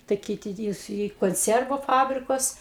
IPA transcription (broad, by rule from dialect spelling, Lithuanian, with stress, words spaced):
tɐɪ ˈkʲiːtʲɪ iː iː koːnʲˈt͡sʲiɛrʋʊ ˈfɑːbʲrʲɪkʊs